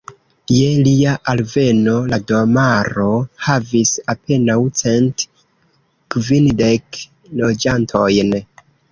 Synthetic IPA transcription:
je̞liaʔalve̞no̞ladomaɾo̞havisapʰe̞nawt͡se̞nt | kvinde̞k | lo̞d͡ʒantʰo̞jn

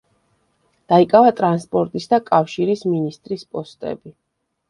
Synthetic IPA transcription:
d̪̥aikʼavat̪ʼɾanspʼɔɾt̪ʼisd̪akʼafʃiɾisminist̪ʼɾispʼɔst̪ʼɛ̰bi

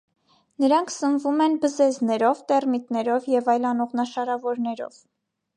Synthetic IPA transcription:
nəɾɑŋkʰsənvumɛnbəzɛznɛɾɔvt̪ɛrmit̪nɛɾɔvjɛvɑjlɑnɔʁnɑʃɑɾɑvɔɾnɛɾɔ̰v̥

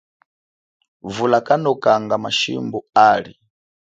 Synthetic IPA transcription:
vulakʼanɔkʼaŋɡamaʃḭmbuaːɺi

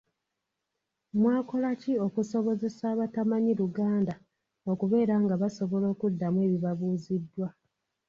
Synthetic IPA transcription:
mwaːko̞lacio̞kuso̞βo̞ze̞saːβatamaɲiɾuɡaːnda | o̞kuβe̞ːɾaːŋɡaβaso̞βo̞lo̞ːkudːamwe̞ːβiβaβuːzidːwa

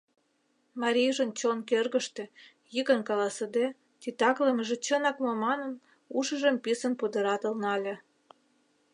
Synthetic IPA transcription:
mɑɾʲijʒənt͡ɕonkerɣə̆ʃt̪ĕ | jikənkɑlɑsəd̪e | t̪ʲit̪ɑkləməʒĕt͡ɕənɑkmomɑnən | uʃə̆ʒəmpisə̆npud̪ə̆ɾɑt̪ə̆lnɑlʲe

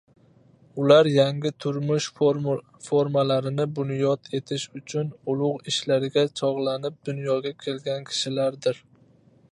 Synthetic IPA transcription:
ʊlaɾjaŋɡʲɪt̪ʰʊɾmʊʃ | foɾmalaɾɪnɪbʊnjɒt̪ʰe̞t̪ʰɪʃʊt͡ʃʰʊnʊlˠʊʁɪʃlaɾɪɡʲat͡ʃʰɒʁlˠanɪp̚d̪ʊnjɒɡʲakʲʰe̞lɡʲankʲʰɪ̥ʃɪlaɾd̪ɪɾ

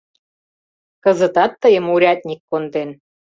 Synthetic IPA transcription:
kə̆zə̆t̪ɑt̪ːəjə̆muɾʲɑt̪̚nʲikːond̪en

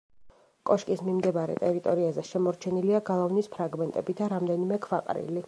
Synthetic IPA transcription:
kʼɔʃkʼismimd̪ɛbaɾɛ̰t̪ʼɛɾit̪ʼɔɾiazɛʃɛmɔɾt͡ʃʰɛniliaɡalˠavnispʰɾaɡmɛnt̪ʼɛbid̪aɾamd̪ɛnimɛkʰvaqʼɾḭli

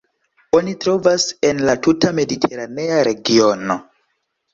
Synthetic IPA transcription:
o̞nitɾo̞vase̞nlatutame̞ditʰe̞ɾane̞aɾe̞ɡio̞no̞

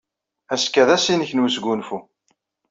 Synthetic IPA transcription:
æskæðæsinəçnwisɡʷunfu

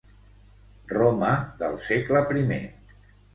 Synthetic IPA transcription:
roməðə̰lˠsekləpɾimḛ

